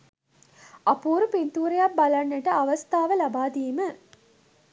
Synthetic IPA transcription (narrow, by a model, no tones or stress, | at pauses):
ɐpuːɾupint̪uːɾejabbalanːeʈəaʋɐst̪aːʋəlabaːd̪iːmə